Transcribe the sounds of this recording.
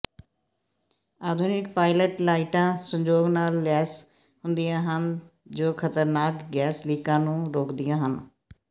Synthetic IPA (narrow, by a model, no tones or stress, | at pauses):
aːd̪ʱʊnɪkpaːɪləʈlaːiʈãːsə̃ɲd͡ʒoːɡnaːlːɛːs | ɦʊnd̪ijãːɦənd͡ʒoːkʰət̪əɾnaːkɡɛːsliːkãːnũːɾoːkd̪ɪjãːɦən